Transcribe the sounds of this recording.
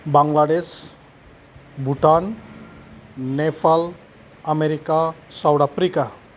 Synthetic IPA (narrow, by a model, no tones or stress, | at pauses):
baŋɡlaɖes | bʱuʈan | nːepʰal | ameɾikasawɽapɾika